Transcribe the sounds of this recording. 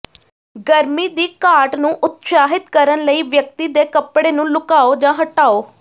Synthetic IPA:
ɡəɾmiːd̪iːkaːʈnũːʔʊt̪saːɦɪt̪kəɾənləiːʋjək̚t̪iːd̪eːkəpɽeːnũːlʊkaːoːd͡ʒãːɦəʈaːoː

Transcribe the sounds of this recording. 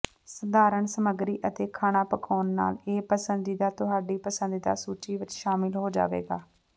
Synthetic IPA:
səd̪aːɾəɳsəməɡɾiːʔət̪eːkʰaːɽ̃aːpəkʰaːnːa̰ːleːpəsənd̪iːd̪aːt̪ʊɦaːɖiːpəsənd̪iːd̪a̰ːsuːt͡ʃiːʋɪt͡ʃʃaːmɪlɦoːd͡ʒa̰ːʋḛːɡa̰ː

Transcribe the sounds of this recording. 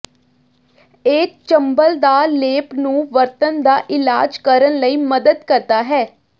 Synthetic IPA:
eːt͡ʃəmbəld̪aːleːpnũːʋəɾt̪ənd̪aːʔɪlaːd͡ʒkəɾənləiːməd̪əd̪kəɾt̪aːɦɛː

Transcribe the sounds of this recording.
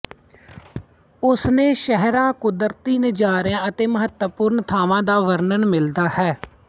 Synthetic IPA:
ʊsneːʃəɦɾãːkʊd̪əɾt̪iːnəd͡ʒaːɾjãːət̪eːməɦət̪əpʊːɾnt̪ʰaːʋãːd̪aːʋəɾnənmɪld̪aːhɛː

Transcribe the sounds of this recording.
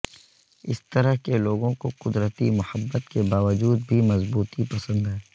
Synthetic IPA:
ɪst̪əɾəɦkeloːɡõkoqʊd̪ɾət̪imʊhəbːət̪kebaːʋəd͡ʒuːd̪̚bʱimɐzbuːt̪ipɐsə̃nd̪ɦɛː

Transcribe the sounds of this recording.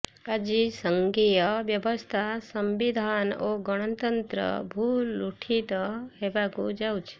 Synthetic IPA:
ɐd͡ʒisəŋɡijɐʋjɐbəst̪ʰasɐmbid̪ʱaːnoɡɔɽ̃ɐt̪ɐnt̪ɾə̰bʱuːluʈʰit̪əɦebakud͡ʒawt͡ʃʰ

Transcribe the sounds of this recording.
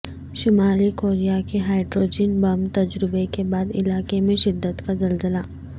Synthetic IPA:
ʃɪmaːlikoːɾijakeɦaːɪɖɾoːd͡ʒɪːnbɐmt̪ɐd͡ʒɾɪbekebaːd̪ɪ̰laːkemẽʃɪd̪ːət̪kazɐlzəla

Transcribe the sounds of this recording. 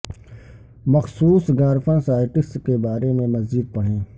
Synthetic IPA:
mɐxsuːsɡaːɾfʰãsaːɪʈɪkskebaːɾemẽmɐzid̪̚pɐɽ̤ẽː

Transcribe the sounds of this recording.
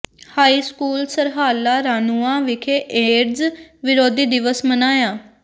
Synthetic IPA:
haːiːskuːlsəɾɦaːlaːɾaːnuːãːʋɪkʰeːʔeːɾzʋɪɾoːd̪iːd̪ɪʋəsmənaːjãː

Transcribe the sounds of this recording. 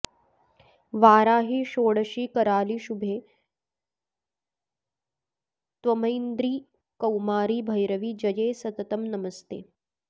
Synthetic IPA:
ʋaːɾaːɦiːʃoːɽəʃiːkɐɾaːliːʃubʱeː | t̪ʋɐmɐjnd̪ɾiː | kɐwmaːɾiːbʱɐjɾɐʋiːd͡ʒɐjeːsɐt̪ɐt̪ɐmnɐmɐst̪eː

